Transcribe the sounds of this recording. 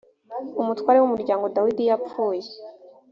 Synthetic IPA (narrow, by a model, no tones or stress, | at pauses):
umutwaːɾewumuɾɟaːŋɡo̞dawidijapfuːje